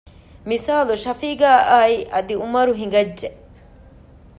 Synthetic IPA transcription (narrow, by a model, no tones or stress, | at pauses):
misaːluʃɐfiːɡaːʔaːiʔɐd̪iumɐɾuɦiŋ̆ɡɐd͡ʒʒe